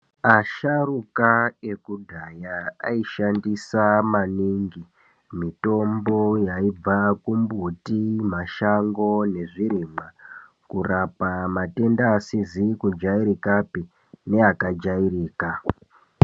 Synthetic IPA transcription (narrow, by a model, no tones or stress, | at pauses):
aʃarukae̞kudʱajaaiʃandisamaniŋɡi | mito̞mbo̞jaib͡vakumbutimaʃaŋɡo̞ne̞ʐiɾima | kurapamate̞ndaːsizikud͡ʒaiɾikapi | ne̞akad͡ʒairiːka